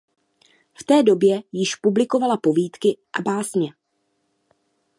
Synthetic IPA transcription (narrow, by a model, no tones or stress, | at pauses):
ft̪ɛːdo̞bjɛjɪʃpublɪko̞valapo̞viːt̪kɪʔabaːsɲɛ